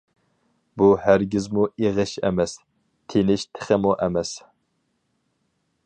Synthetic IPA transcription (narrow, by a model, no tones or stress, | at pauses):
buhæɾɡʲɪzmuiʁɨʃɛ̰mɛs | t̪ʰenɪʃt̪ʰɪ̥χəmuʔɛmɛs